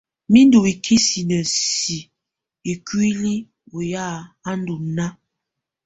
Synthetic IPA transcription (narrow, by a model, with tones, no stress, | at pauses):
mi˦n˦du˨i˨kʰi˦si˨nə˨si˨ | i˨kwi˦li˦ | o˨ja˦˨a˦n˦du˨na˦